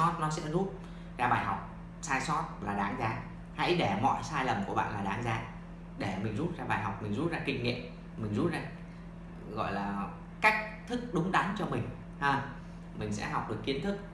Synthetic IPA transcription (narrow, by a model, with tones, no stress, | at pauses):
ɔ˦˥t̚nɔ˨˦sɛ̰˧˥zu˦˥t̚ | zaː˧ɓaː˨˩jɦa˨˩wk͡p̚ | saː˧jsɔ˦˥t̚laː˨˩ɗaː˨˦nzaː˨˦ | ha̰˧˥jɗe˧˩mɔ̰˧˨jsaː˧jlə˨˩mku˧˩əɓa̰ː˧˨nlaː˨˩ɗaː˨˦nzaː˨˦ | ɗe˧˩mï˨˩ŋ̟zu˦˥t̚zaː˧ɓaː˨˩jɦa˨˩wk͡p̚mï˨˩ŋ̟zu˦˥t̚zaː˧kï˧˩ŋ̟ŋḭ˧˨əm | mï˨˩ŋ̟zu˦˥t̚zaː˧ | ɣɔ̰˧˨jlaː˨˩ | ka˦˥jk̟̚t̪ʰɨ˦˥k̚ɗʊ˨˦ŋ͡mɗa˨˦nt͡ɕɔ˧mï˨˩ŋ̟ | ʔəː˧˩ | mï˨˩ŋ̟sɛ̰˧˥ɦɔ˨˩wk͡p̚ɗɨ˨˩əkːi˨˦ənt̪ʰɨ˦˥k̚